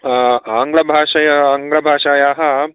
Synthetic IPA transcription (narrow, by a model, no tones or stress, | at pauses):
aːŋɡɭɐbʱaːʃɐjɐaːŋɡlɐbʱaːʃaːjaːɦɐ̆